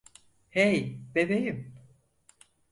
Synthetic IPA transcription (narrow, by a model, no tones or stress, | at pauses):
hejb̥ebejim